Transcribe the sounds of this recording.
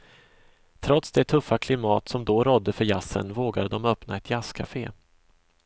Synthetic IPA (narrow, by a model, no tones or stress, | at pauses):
t̪ʰɾɔt̪sd̪ɛt̪ʰɵfːakʰlɪmɑːt̪sɔmd̪ɔɾɔd̪ːəfœɾjasːə̰nvoːɡad̪əd̪ɔmœpnaɛt̪ʰjaskʰafeː